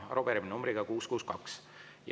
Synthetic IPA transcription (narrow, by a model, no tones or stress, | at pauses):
ɑ̰ɾob̥eɾiminumbrɾiɡ̥ɑkuːskuːskɑks | j